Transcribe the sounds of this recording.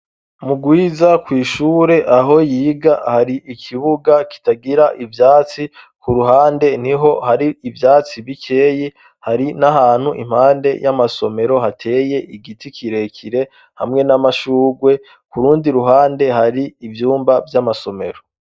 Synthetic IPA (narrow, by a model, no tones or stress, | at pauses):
muɡwiːzakwiːʃuːɾe̞ʔaɦo̞jiːɡahaɾiʔikʰiβuɡaki̥taɡiɾaʔivjaːt͡si | kuɾuɦaːnde̞niɦo̞haɾiivjaːt͡siβikʰe̞ːje | haɾinaɦaːn̥huʔḭm̥haːnde̞jamaso̞me̞ɾo̞ɦatʰe̞ːje̞ʔiɡitikʰiɾe̞kʰiɾe̞ | hamŋe̞namaʃuːɡwe̞ | kuɾuːndiɾuɦaːnde̞ɦaɾiːvjuːmbavjamaso̞me̞̰ɾo